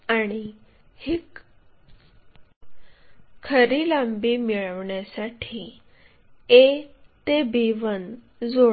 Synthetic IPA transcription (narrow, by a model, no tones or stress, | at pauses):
aɽ̃i | hik | kʰːəɾiːlambiːmiɭəʋɳjasaʈʰiː | et̪ebiʋən | d͡zo